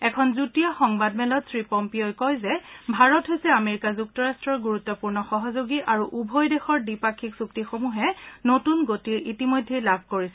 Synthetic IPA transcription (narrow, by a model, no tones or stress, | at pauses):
ɛkʰɔnzutijaxɔŋbad̚mɛlɔtsɹipɔmpiojkɔjzɛbʱaɹɔtɦojsɛameɹikazuk̚tɔɹastɹɔɹɡuɹut̪ːɔpuɹnɔxɔɦɔzoɡiʔaɹuʔubʱɔjdɛxɔɹdipakʰiksuk̚tixomuɦɛnotunɡotiɹʔitimojdʱːejlabʱkoɹisɛ